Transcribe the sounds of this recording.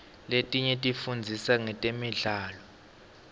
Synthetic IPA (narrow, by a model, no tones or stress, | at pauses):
letʼiɲɛtʼifund͡zʱisaŋɛtʼemiɮaːlɔ